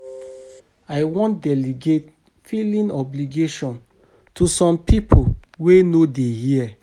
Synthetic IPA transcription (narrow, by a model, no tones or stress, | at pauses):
aɪwɔ̃ntdɛliɡet | filĩnɔbliɡeʃɔ̃n | tusɔ̃mpipʰowenodehiɛ